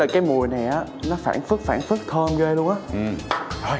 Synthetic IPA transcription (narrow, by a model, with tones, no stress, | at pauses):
a̰ː˧˨˩kaː˨˦jmu˨˩əjna˨˩jʔaː˨˦nɔ˨˦fa̰ː˧˩nfɨ˦˥ək̚faː˧˩nfɨ˦˥k̚t̪ʰəː˧mɣe˧lu˧əŋʔaː˧˦˥ʔɨ˨˩˧